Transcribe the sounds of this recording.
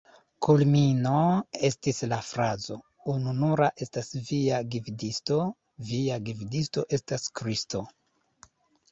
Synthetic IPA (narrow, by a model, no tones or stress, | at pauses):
kʰulmino̞e̞stislafɾazo̞ | ununuɾaʔe̞stasviaɡividisto̞ | viaɡividisto̞ʔe̞staskɾisto